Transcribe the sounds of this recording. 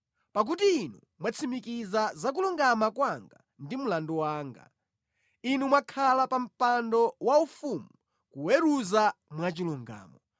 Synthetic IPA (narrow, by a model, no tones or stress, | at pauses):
pak̬utiːnu | mwat͡sʰimikizazak̬uluŋɡamakwaŋɡa̰ | ndimulandɔwaːŋɡa̰ | inumwakʰalapam̩pandɔwaufumu | kuwɛɾuzamwat͡ʃiluŋɡa̰ːmɔ